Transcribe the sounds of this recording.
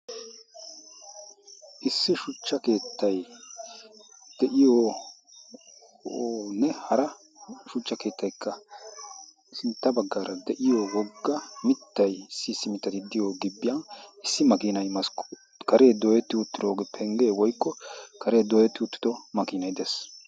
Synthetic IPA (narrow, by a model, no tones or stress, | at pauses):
ʔɪsːɪʃʊt͡ʃːɐke̞ːt̪ːɐj | d̪̥ɛʔɪjoː | nɛhɐɾɐ | ʃʊt͡ʃːɐke̞ːt̪ːɐjkːɐ | sɪnt̪ːɐbɐɡːaːɾɐd̪ɛʔɪjoːwɔɡːɐmɪt̪ːɐjsiːsːɪmɪt̪ːɐt̪ɪd̪ɪjoːɡɪbːɪjɐnɪsːɪmɐkiːnɐjmɐsk | kɐɾe̞ːd̪oːjɛt̪ːɪʊt̪ːɪd̪oːɡɛpʰɛŋɡe̞ːwɔjkːɔkʰɐɾe̞ːd̪oːjɛt̪ːɪʊt̪ːɪ̥d̪ɔmɐkiːnɐjd̪es